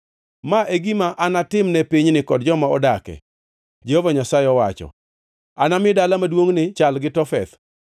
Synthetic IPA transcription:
maʔeɡimaʔanatɪmnɛpiɲnɪkɔdd͡ʒɔmaɔ̰dakɛ̰ | d͡ʒehovaɲasaɪɔwat͡ʃɔ̰ | anamɪdalamadwoŋnɪt͡ʃalɡɪtɔfɛ̰t̪

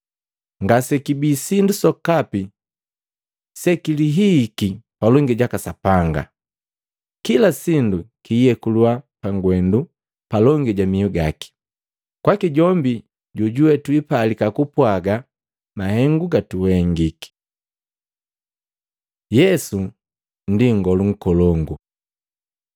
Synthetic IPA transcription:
ŋɡasɛkibiːsindusɔkapi | sɛkiliɦikipalɔŋɡiɟakasapaŋɡa̰ | kilasindukiːjɛkuluapaŋɡwɛndu | palɔŋɡiɟamiɔɡaki̥ | kwakiɟɔmbi | ɟuɟuwɛtwipalikakupwaɡa | mahɛŋɡuɡatuhɛŋɡiki̥ | jɛsu | n̩diŋɡɔluŋ̩kɔlɔŋɡu

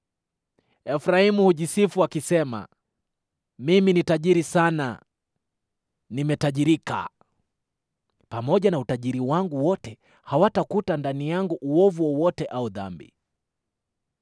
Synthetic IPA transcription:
ɛfɾaimuhuʄisifuakisɛma̰ | miminitaʄiɾisana̰ | nimɛtaʄiɾika̰ | pamɔʄanautaʄiɾiwaŋɡuwɔtɛ | hawatakutandanijaŋɡuʔuɔvuɔwɔtɛʔauða̰mbḭ

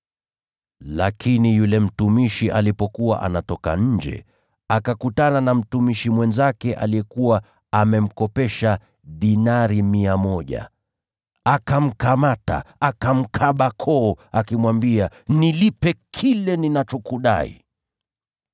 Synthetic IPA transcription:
lakʰinijulɛm̩tumiʃiʔalipɔkuwa̰ʔa̰natɔka̰ɲ̩d͡ʒɛ̰ | akakutananam̩tumiʃimwɛnzakɛʔa̰lijɛkuwa | amɛm̩kɔpɛʃa | ɗinaɾimiamɔʄa̰ | akam̩kamata̰akam̩kʰaɓakʰɔːakimwambianilipɛkʰilɛninat͡ʃɔkuɗa̰ḭ

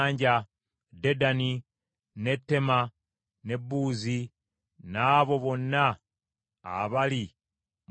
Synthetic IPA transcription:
ɲɟa | de̞dani | ne̞tːe̞ma | ne̞bːuːzi | naːβo̞βo̞nːa | a̰βali | m

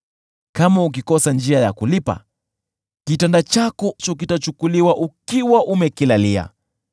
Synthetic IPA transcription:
kamauk̬ikɔsand͡ʒiajakulipa̰ | kitandat͡ʃakɔt͡ʃɔk̬itat͡ʃukuliwaʔukiwaʔumɛkilalia̰

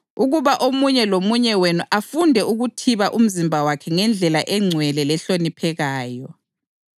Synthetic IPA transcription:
uɣuβaʔomuɲɛlomuɲɛwenuʔafundʱɛuɣutʰiβaʔum̩zimbʱawakʰɛŋɛnd͡ɮʱɛlaʔɛŋ͡ǀʱwɛlɛlɛɬonipʰɛɣaːjɔ

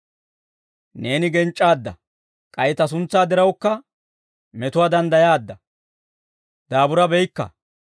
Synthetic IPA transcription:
ne̞ːnɪɡɛnt͡ʃʼːaːd̪ːɐ | kʼɐjɛt̪ɐs̬ʊnt͡sːaːd̪ɛɾɐwkːɐ | mɛt̪ʊwaːd̪ɐnd̪ɐjaːd̪ːɐ | d̪̥aːbʊɾɐbɛjkːɐ̰

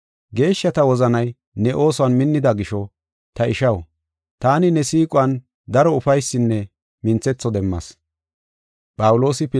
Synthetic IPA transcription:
ɡe̞ːʃːɐt̪ɐwɔzɐnɐj | nɛʔo̞ːsʊɐnmɪnːɪd̪ɐɡɪʃɔ | t̪ɐɪʃɐw | t̪aːnɪnɛsiːkʼʊwɐn | d̪ɐɾɔʊfɐjsːɪnːɛ | mɪnt͡sɛt͡sːɔd̪ɛmːɐ̰s | pʼɐwʊlo̞ːsɪpɪ

